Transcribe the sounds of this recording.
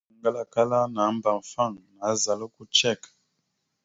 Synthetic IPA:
ŋɡa˦la˨ka˦la˦na˨˦m˦ba˨ɱ̩˨fa˦˨ŋna˨˦za˨lo˦ku˦t͡ʃɛ˦˨k

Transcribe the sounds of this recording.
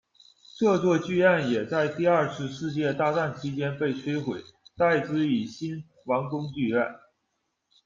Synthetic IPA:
ʈ͡ʂɤ˥˧t͡swɔ˥˧t͡ɕy˥˧a˥˩njɛ˨˩t͡sa˥˧ɪt̪i˥˧ɐ˞˥˧ʂɻ̩˧ʂɻ̩˥˧t͡ɕjɛ˥˧t̪a˥˧t͡sa˥˩nt͡ɕʰi˧˥t͡ɕjɛ˥npe˥˩ɪt͡sʰwe˥ɪxwe˨˩˦ɪt̪a˥˩ɪt͡sɹ̩˧˥i˨˩ɕi˥n | wɑ˧˥ŋkʊ˥ŋt͡ɕy˥˧a˥˩n

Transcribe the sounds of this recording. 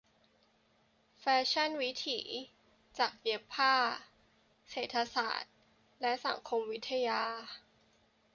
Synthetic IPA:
fɛː˦˥t͡ɕʰa˥˩nwi˦˥t̪ʰḭː˩˦ | t͡ɕaː˨˩k̚je˦˥pʰːaː˥˩ | seː˨˩t̪ʰːa˧sa̰ː˨˩t̪̚ | lɛ˦˥sa̰˩˦ŋkʰo˧mwi˦˥t̪ʰːa˧jaː˧

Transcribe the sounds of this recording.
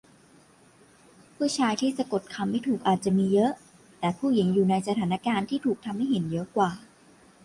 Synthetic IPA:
pʰɯ˥˩t͡ɕʰaː˧jt̪ʰiː˥˩sa˧ko˨˩t̪̚kʰa˧mːa˥˩jt̪ʰuː˨˩k̚ʔaː˨˩t̪̚t͡ɕa˨˩miː˧jɤ˦˥ʔ | t̪ɛː˨˩pʰuː˥˩ji˩˦ŋjuː˨˩na˧jsa˧t̪ʰaː˩˦na˧˩kaː˧nt̪ʰiː˥˩t̪ʰuː˨˩k̚t̪ʰa˧mːa˥˩jɦe˩˦njɤ˦˥ʔkwaː˨˩

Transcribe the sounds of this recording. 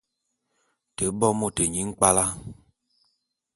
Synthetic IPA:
te˨˦bɔ˦mo˦˨te˨ɲi˨˦ŋ̩˦k͡pa˦la˦

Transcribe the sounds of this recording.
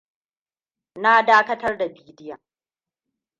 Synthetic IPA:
na˦daː˦kɐ˦tɐ˦rda˨biː˦dɪ˦ja˨

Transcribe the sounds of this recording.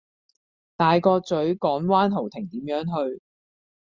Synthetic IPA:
t̪aː˨jkɔː˧t͡sɵ˨˥ɥkɔː˨˥ŋwaː˥nɦo˨˩wt̪ʰɪ˨˩ŋt̪iː˨˥mjœː˨˥ŋɦɵ˧ɥ

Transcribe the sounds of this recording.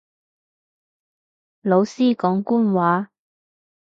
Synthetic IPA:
lo˨˧wsiː˥kɔː˨˥ŋkuː˥nwaː˨˥

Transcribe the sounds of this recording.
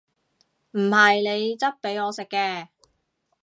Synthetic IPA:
m̩˨˩hɐ˨jne˨˧jt͡sɐ˥t̚pe˨˥jɔː˨˧sɪ˨kːɛː˧

